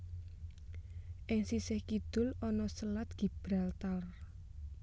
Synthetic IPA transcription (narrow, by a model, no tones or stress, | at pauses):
ʔɪŋsisɪhkid̪̥ʊ̤lɔnɔsəlat̪̚ɡ̥i̤b̥ɾalt̪ar